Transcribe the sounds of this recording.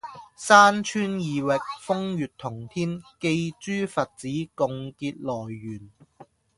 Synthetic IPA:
saː˥nt͡ʃʰyː˥njiː˨˧wɪ˨k̚fʊ˥ŋjyː˨t̚t̪ʰʊ˨˩ŋt̪ʰiː˥nke˧jt͡ʃyː˥fɐ˨t̚t͡siː˨˥kʊ˨˧ŋkiː˧t̚lɔː˨˩jːyː˨˩n

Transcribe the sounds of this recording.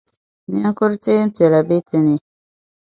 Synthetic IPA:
n˦a˦ŋ˦kʊ˦ɾte˦m̩˦pi˨ɛ˨la˨bi˦ti˦ni˦

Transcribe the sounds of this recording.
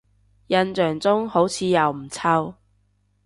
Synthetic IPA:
jɐ˧nt͡ʃœː˨˩ŋt͡sʊ˥ŋho˨˥wt͡sʰiː˨˧jɐ˨˩wm̩˨˩t͡sʰɐ˥w

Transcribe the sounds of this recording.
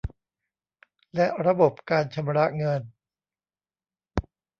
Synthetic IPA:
lɛ˦˥ʔɾa˧bo˨˩p̚kaː˧nt͡ɕʰa˧mɾa˦˥ŋɤ˧n

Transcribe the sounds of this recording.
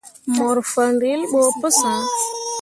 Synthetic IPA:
mɔ˨ɾfə˨ndi˦lɓo˨pə˦sa˨

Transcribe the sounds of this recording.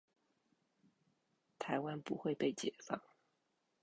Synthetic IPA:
t̪ʰa˧˥ɪwa˦npu˧˥xwe˥˧ɪpe˥˩ɪt͡ɕjɛ˨˩fɑ̰˥˩ŋ

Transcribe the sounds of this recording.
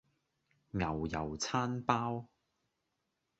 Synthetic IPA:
ŋɐ˨wjɐ̰˨˩wt͡sʰaː˥npaː˥w

